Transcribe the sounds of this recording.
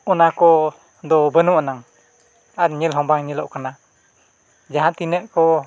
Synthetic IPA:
unakɔ | d̪ɔbənuʔanaŋ | atɲəlɦɔmbaŋɲəlɔʔkəna | d͡ʒaɦant̪inəʔkɔ

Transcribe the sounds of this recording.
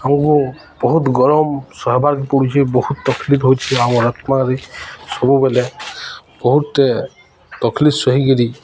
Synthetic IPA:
aw̃ku | b̥ɔɦut̪ɡɔɾɔmsɔɦbaɾkipɔɽit͡ʃʰibɔhut̪ːɔkʰlit̪ɦojt͡ʃʰiaw̃ɔɾɔt̪maɾisɔbubɛlɛ | b̥ɔɦut̪ːe | t̪ɔkʰlisɔɦikeɾi

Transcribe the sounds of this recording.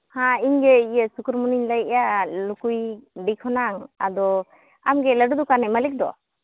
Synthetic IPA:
hãiɲɡɛijəsukuɾmuniɲləjʔjalukujɖikʰɔnaŋad̪ɔ | amɡɛləɖud̪ɔkanajmalik̚d̪ɔ̰

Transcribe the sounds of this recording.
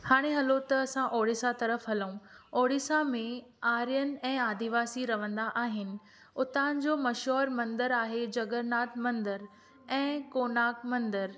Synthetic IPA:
haːɽ̃eɦɐlot̪ɐːsãʔoːɽɪsat̪ɐɾəfɦɐlũoːɽɪsamẽaːɾijənɪ̆ɛ̃ːaːd̪iʋaːsiɾɐʋə̃nd̪aʔaːɦɪnɪ̆ | ʊt̪aːnɪ̆d͡ʑoːmɐʃɦɔːɾmɐ̃nd̪əɾaːɦed͡ʑɐɡəɾnaːt̪mɐ̃nd̪əɾ | ɛ̃ːkoːnaːkmɐ̃nd̪əɾ

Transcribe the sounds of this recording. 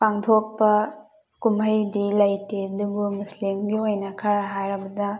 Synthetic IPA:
paŋtʰok̚pɐ | kumɦɐjdilɐjtedubumuslimɡiojnɐkʰaɾaɦajɾɐbɐdɐ

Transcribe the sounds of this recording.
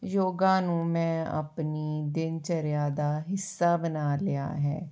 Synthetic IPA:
joːɡãːnũːmɛ̃ːə̰pniːd̪ɪnt͡ʃəɾjaːd̪aːɦɪsːaːbənaːlɪa̰ːɦɛ̰ː

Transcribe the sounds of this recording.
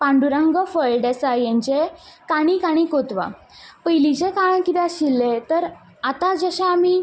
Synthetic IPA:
pãɳɖuɾãŋɡəfəɭɖɛsajãɲt͡ɕekaɽ̃ikaɽ̃ikot̪ʋa̰ | pəjlit͡ɕekaɳkit̪ãɕilːet̪əɾ | at̪ad͡zəɕaːmiː

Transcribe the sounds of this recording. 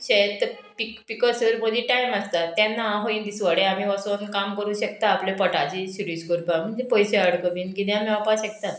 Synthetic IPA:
ɕet̪ə | pikpikɔsəɾməd̪iːʈajmast̪at̪janːaɦoĩnd̪isʋaɽeam̤iːʋasonkamkəɾuːɕək̚t̪aːplepəʈat͡ɕiːsiɾiːskuɾpam̤əɳd͡zepɔjseəɽkəmiːnkid̪eamiʋapaɕek̚t̪a

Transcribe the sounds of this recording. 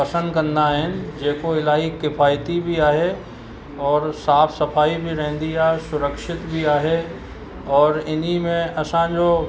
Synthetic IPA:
ɐsə̃nd̪kɐɾndaɦɛ̃nd͡ʒeːkoɪlaːɦikɪfʰaːjt̪ibʱiaːɦe | ɔːɾsaːpʰsɐpʰaːibʱiɾɛɦnd̪ijaːsʊɾəkʃɪt̪bʱiaːɦe | ɔːɾɪnimẽɐsãd͡ʒoː

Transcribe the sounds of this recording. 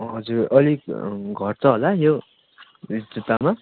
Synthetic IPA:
ɦʌd͡zurʌliɡʱʌʈt͡sʌɦolajo | rid͡zet̪ama

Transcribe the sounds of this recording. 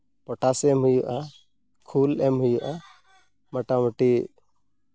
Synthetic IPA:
pɔʈasɛmɦujuʔa | kʰulɛmɦujuʔa | maʈamɔʈi

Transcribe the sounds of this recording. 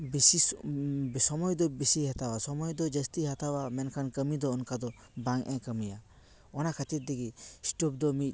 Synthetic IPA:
bisi | sɔmɔjd̪ɔbisiɦat̪awasɔmɔjd̪ɔd͡ʒəst̪iɦat̪awamɛnkʰankəmid̪ɔːnkad̪ɔ | bãŋʔɛ̃kəmija | ɔnakʰət̪iɾ̚d̪iɡisʈup̚d̪ɔmit̪̚ˀ

